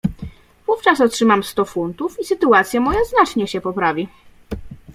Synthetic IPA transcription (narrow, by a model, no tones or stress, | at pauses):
vuft͡ʂasɔtʂɘmamst̪ɔfunt̪ufisɘt̪uat̪sʲjamɔjaznat͡ʂɲɛɕɛpɔpɾavʲi